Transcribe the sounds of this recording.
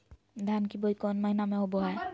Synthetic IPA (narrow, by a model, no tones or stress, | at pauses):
d̪ʱankibojkɔnmaɦinamɛobɔɦaj